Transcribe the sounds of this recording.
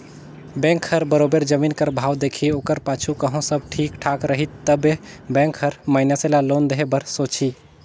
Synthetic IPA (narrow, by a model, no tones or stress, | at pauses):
bɛ̃ŋkʰːəɾbəɾobeɾd͡ʒəminkəɾbʱawd̪ekʰiokəɾpat͡ʃʰukəɦõsəb̚ʈʰikʈʰakɾəɦit̪t̪əbebɛ̃ŋkɦəɾmaɪnjaselalond̪əɦebəɾsot͡ʃʰi